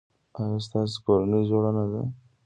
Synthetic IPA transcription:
aɣast̪ɑs̬koɾanəd͡ʒoɽanad̪a̰

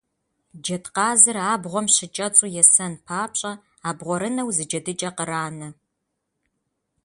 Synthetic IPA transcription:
d͡ʒɐtqɑːzɨraːbʁʷɔmɕɪt͡ʃʼɐt͡sʼujɛsɐnpʰaːpɕʼɐ | aːbʁʷɔɾɨnɐwzɨd͡ʒɐdɨt͡ʃʼɐqəɾaːnɐ

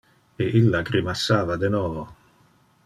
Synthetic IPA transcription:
eʔilːaɡɾimasːaːvad̪enɔːvo

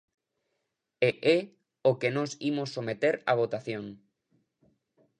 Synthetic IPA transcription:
eʔe | okenosimosːomet̪eɾa̰β̞ot̪aθjõŋ

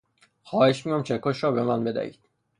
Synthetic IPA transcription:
xɒːheʃmiːjɒmt͡ʃʰekʰoʃɾɒːbemænbe̞d̪æ̰ḭːd̪̥

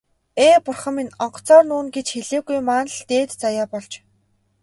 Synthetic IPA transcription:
eːpʊrχə̆mːinɔɴɢ̥̆ʰt͡sɔːrnuːnɡet͡ɕxeɮeːɣujmaːnɮt̪eːt̪t͡sajaːpɔɮt͡ɕ

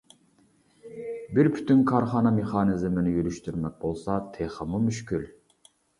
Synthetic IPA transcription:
bɪɾpʰy̥t̪ʰynkʰɑɾχɑːnɑmeχɑːnɪzmɪnɪjyɾyʃt̪yɾmɛk̚ʲbolˠsɑt̪ʰeχəmumyʃkʲyl

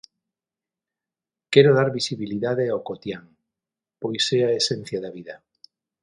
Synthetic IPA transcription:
kɛɾoðaɾβisiβiliðaðeawkot̪jaŋ | pojseaesen̟θjaðaβiðɐ

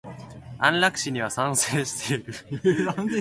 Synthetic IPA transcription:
ã̰nɾakɯ̥ɕiɲ̟iβasãɰ̃seːɕi̥t̪eiɾɯ̟

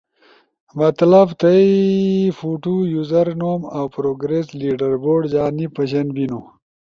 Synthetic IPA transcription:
mɐt̪lɐbt̪ɐifuʈujuzɐɾnoːmawpɾoːɡɾesliːɖɐɾboːɖd͡ʑaːnipɐɕɐnbino

